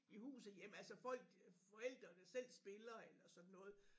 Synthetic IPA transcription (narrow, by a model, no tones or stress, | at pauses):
ihṵːsð̩ˠjem̰ælsɒfɒ̽l̰ɡ̥fɒ̽el̰d̥ʁɐnəsel̰sb̥e̝lɐelɐsɒ̽d̥n̩ːɔ̽ːð̩ˠ